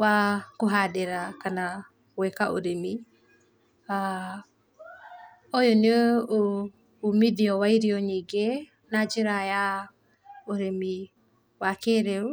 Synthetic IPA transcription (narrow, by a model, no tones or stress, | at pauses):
wakoɦadeɾakana | wɛkaʔo̰ɾemi | a | ojɔneoː | midiɔwaiɾiɔɲiɡe | nad͡ʒeɾaja | oɾemi | wakeɾeɾu